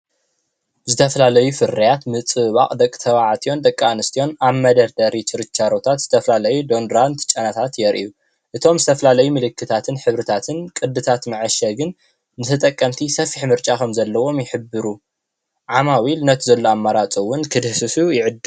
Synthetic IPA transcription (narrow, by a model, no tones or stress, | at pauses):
zɨt̪ʰɐfɐlalɐjufɨɾɐjat̪mɨt͡sʼɨββa̰qʼd̪ɐkʼːɨ̥t̪ʰɐβaʕat̪ʰijo̞nd̪ɐkʼːanɨst̪ʰijo̞naβmɐd̪ɐɾd̪ɐɾit͡ʃɨɾɨt͡ʃːaɾot̪ʰat̪z̥ɨt̪ʰɐfɐlalɐjud̪o̞nd̪ɾant̪t͡ʃʼɐnat̪ʰat̪jɛɾʔḭju | ʔɨt̪ʰo̞mzɨt̪ʰɐfɐlalɐjumɨlɨkʰːɨt̪ʰat̪ʰɨnħɨβɾɨt̪ʰat̪ʰɨnkʼɨd̪ːɨt̪ʰat̪mɨʕɨʃɐɡɨn | nɨt̪ʰɨt̪ʼɐkʼːɐmt̪ʰisɐfiħmɨɾt͡ʃʼakʰɐmzɐlːɐwo̞mjɪħɨbɨɾu | ʕamawilɨnɐt̪ʰzɐlːoamːaɾat͡sʼowːʊnkʰɨd̪sɨsujɪʕɨd̪ː